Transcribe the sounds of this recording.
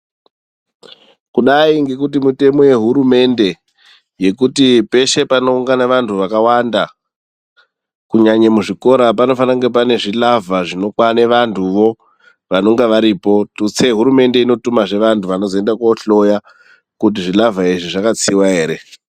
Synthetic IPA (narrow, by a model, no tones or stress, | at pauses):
kuɗaiŋɡe̞kutimute̞mo̞je̞ɦuɾume̞nde̞ | je̞kutipe̞ʃe̞pano̞uŋɡanaʋantʰuʋakawanda | kuɲaɲemuʐiko̞ɾap̬ano̞fanaŋɡep̬ane̞ʐilavaʐino̞kwaneʋantʰuʋo̞ | ʋano̞ŋɡeʋaɾiːpo̞tut͡seɦuɾume̞nde̞ino̞tumaʐe̞ʋantʰuʋano̞zoe̞ndakoɬo̞ja | kut̬iʐilavaiʐiʐakat͡siwaɦeːɾe̞